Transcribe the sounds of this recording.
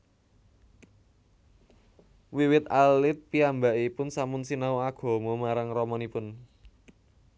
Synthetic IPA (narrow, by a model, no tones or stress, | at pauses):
wiwɪt̪alɪt̪̚piambaipʊnsamʊnsinauaɡ̥ɔ̤momaɾaŋrɔmɔnipʊn